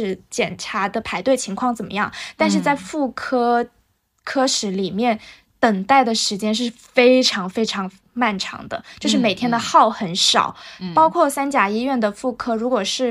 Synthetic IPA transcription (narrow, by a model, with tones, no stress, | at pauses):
ɻ̩˥˩t͡ɕjɛ˨˩nʈ͡ʂʰa˧˥d̪ə˧pʰa˧˥ɪt̪we˥˩ɪt͡ɕʰi˧˥ŋkʰwɑ˥˩ŋt͡sə˨˩nmə̰˦jɑ˥˩ŋt̪a˥˧nʂɻ̩˥˧t͡sa˥˧ɪfu˥˩kʰɤ˥ | kʰɤ˥ʂɻ̩˧˥li˨˩mjɛ˥˩n | t̪ə˨˩ŋt̪a˥˩ɪd̪ə˩ʂɻ̩˧˥t͡ɕjɛ˥nʂ̬ɻ̩˥˩ | fe˥ɪʈ͡ʂʰɑ˧˥ŋfe˥ɪʈ͡ʂʰɑ˧˥ŋ | ma˥˩nʈ͡ʂʰɑ̰˧˥ŋd̪ə̰˧t͡ɕjo˥˧ʊʂɻ̩˥˩me˨˩ɪt̪ʰjɛ˥nd̪ə˧xɑ˥˩ʊxə˧˥nʂɑ̰˨˩ʊpɑ˥ʊkʰwɔ˥˩sa˥nt͡ɕja˨˩i˥ɥɛ˥˩nd̪ə˩fu˥˩kʰɤ˥ɻu˧˥kwɔ˨˩ʂɻ̩˥˩